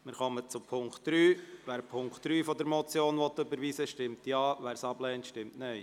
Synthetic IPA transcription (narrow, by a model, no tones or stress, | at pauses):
mɪɾχɔmət͡sʊpʰʊŋktd̥ɾyːʋæːɾpʰʊŋktd̥ɾyːfɔdəɾmɔt͡sjoːnʋɔt̪ːʏbəɾʋiːsəʃtɪmtjɑːʋæːɾsɑblɛːntʃtɪmtnœɪ